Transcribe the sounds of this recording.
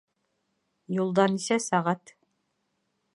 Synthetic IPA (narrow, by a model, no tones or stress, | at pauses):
julˠd̪ɑnisæsɑʁɑt̪